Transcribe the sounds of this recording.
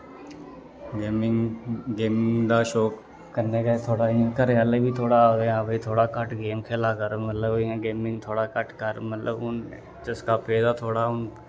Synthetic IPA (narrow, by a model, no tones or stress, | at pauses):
emŋɡeːmɪŋd̪aːʃoːk | kəɾneːkat̪ʰoːɽaːɪ̃ːãːkəɾaːlebʱiːt̪ʰoːɽaːeːãːbʱəit̪ʰoːɽaːkəʈɡeːmkʰeːlaːkəɾomət̪ləbɪãːɡeːmɪ̃ŋɡt̪ʰoːɽaːkəʈkəɾmət̪ləbʊn | d͡ʒɪskaːpeːd̪aːt̪ʰoːɽaːʊn